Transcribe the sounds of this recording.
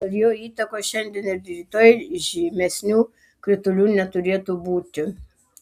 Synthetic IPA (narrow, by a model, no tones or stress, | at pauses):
ɐɾjoːiːt̪ɐkoːʃʲɛnʲd̪ʲɛnɪɾʲd̪ʲɾʲiːt̪oːjʒʲimʲɛsʲnʲuː | kɾʲɪt̪ʊlʲuːnʲɛt̪ʊɾʲeɛt̪uːbuːt̪ʲɪ